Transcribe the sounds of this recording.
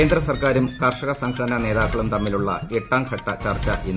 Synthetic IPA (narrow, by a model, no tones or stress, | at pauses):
eːnd̪rɐsɐrkaːɾumkɐrʂɐɣɐsɐŋɡʰkʰɐɽɐnɐne̞ːðaːkːɐɭumt̪ɐmːiluɭːɐe̞ʈːaːmkʰɐʈːɐt͡ɕɐrt͡ɕːɐʔʔinː